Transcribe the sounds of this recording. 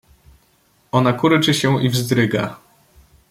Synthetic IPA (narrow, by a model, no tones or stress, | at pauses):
ɔnakuɾɘt͡ʂɘɕɛ̃ʔivzd̪ɾɘɡa